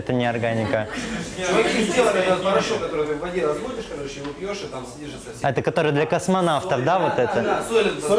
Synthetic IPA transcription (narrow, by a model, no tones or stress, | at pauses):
ɛt̪ənʲɪɐrɡanʲɪkə | ɐizʲd̪ʲelˠəkʲɛɐt̪pɐɾɐʂokɐt̪oɾɨt̪ʲɛmvɐdʲeɾɐzbod̪ʲɪʂkɐt̪oɾɪɕɪʊpʲjoʂɨt̪amsʲnʲiʐɨt̪səsʲɐɛt̪əkɐt̪o̞ɾɨjəd̪lʲɐkəsmɐnaft̪əfd̪avo̞t̪ɛt̪əd̪solʲɪ